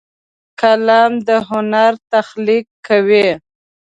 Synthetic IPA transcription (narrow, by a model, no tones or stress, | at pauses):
kalɑmd̪əɦʊnaɾt̪axlikʰːawe